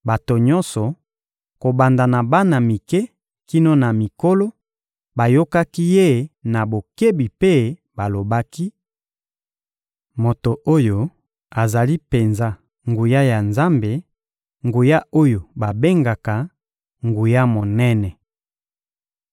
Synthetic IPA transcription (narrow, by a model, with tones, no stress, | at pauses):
ba˨to˨ɲɔ̃˦nsɔ˨ | ko˨ba˨nda˨na˨ba˦na˨mi˨kɛ˦ | ki˦no˦na˨mi˨ko˦lo˦ | ba˨jo˦ka˦ki˦je˦na˨bo˨ke˦bi˨pe˦ | ba˨lo˨ba˦ki˦ | mo˨to˨ʔo˦jo˨ | a˨za˨li˦pe˨nza˦ | ŋɡu˨ja˦ja˨nza˦mbe˨ | ŋɡu˨ja˦o˦jo˨ba˨be˦ŋɡa˨ka˨ | ŋɡu˨ja˦mo˨nɛ˦nɛ˨